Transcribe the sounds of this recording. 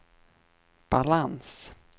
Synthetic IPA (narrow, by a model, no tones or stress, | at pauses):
b̥alans